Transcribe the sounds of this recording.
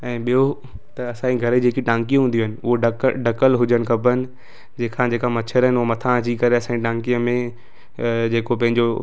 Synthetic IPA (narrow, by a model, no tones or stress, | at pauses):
ɛ̃ːɓijo | t̪ɐɐsãːiɡʱɐɾed͡ʑeːkiʈãːŋkijũɦũnd̪iũɦɪnɪ̆ʊɦoɖɖɐkəlɦʊd͡ʑənɪ̆kʰɐpənɪ̆ | d͡ʑeːkʰãd͡ʑeːkamɐt͡ɕʰəɾɦɪnɪʊɦomɐt̪ʰãd͡ʑikɐɾeɐsãɲd͡ʑiʈãːŋkiə̃mẽ | d͡ʑeːkopɐ̃ɦɪ̃ɲd͡ʑo